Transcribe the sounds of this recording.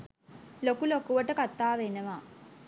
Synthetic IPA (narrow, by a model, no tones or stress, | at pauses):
lokulokuʋəʈəkat̪ːaːʋenəʋa